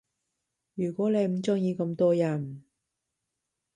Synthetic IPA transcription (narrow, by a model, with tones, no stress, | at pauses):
jyː˨˩kʷɔː˨˥le˨˧jm̩˨˩t͡sʊ˥ŋjiː˧kɐ˧mt̪ɔː˥jɐ˨˩n